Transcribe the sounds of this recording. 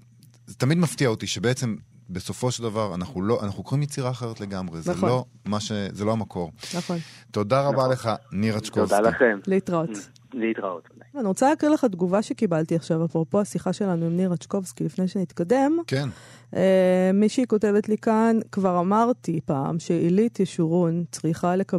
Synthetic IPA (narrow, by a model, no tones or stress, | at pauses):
zet̪amid̪maftiaot̪iʃebeet͡se̞m | beso̞fo̞ʃeld̪avaʁanaχnulo̞ʔa̰naχnukoʁimjet͡siʁaːχe̞ʁetle̞ɡamʁeznalo̞ | maʃezelo̞amako̞ʁnaχont̪o̞d̪aʁabaleχaniʁat͡ʃkoovalaχemleit̪ʁaot̪ | leit̪ʁao̰t̪niʁot͡saleaːkʁileχad̪ɡuvaʃe̞kibalt̪iaχʃavapopo̞asiχaʃe̞lanuimniʁat͡ʃko̞vskilifnejʃenit̪kade̞mken | emiʃikote̞vetlikankvaʁamaʁt̪ipa̰ːmʃeilit̪jeʃuʁunt͡sʁiχaleka